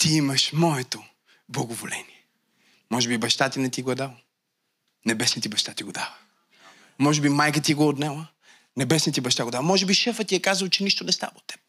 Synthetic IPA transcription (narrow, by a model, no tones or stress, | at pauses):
t̪iiməʃmɔɛt̪o | blˠɐɡovolɛ̰nijɛ | mɔʒɛbibɐʃt̪at̪inɛt̪iɡoɛd̪alˠ | nɛbɛsnit̪ibɐʃt̪at̪iɡod̪avə | mɔʒɛbimajkət̪iɡoot̪nɛlˠə | nɛbɛsnit̪ibɐʃt̪aɡod̪alˠmɔʒɛbiʃɛfət̪iɛkazəlˠt͡ʃɛniʃt̪onɛst̪a̰vɐot̪ːɛ̥p̚